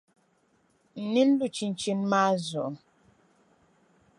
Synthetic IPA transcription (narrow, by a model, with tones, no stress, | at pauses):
n̩˨ni˦n̩˦du˨t͡ʃi˨n̩˨t͡ʃi˨n̩˦ma˦zɔ̰˨